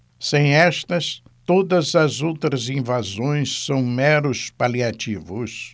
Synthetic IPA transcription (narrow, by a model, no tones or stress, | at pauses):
sẽj̃ɛst̪ɐs | t̪od̪ɐzɐzowt̪ɾɐzĩvazõj̃sːɐ̃w̃mɛɾʊspaliat͡ʃivʊs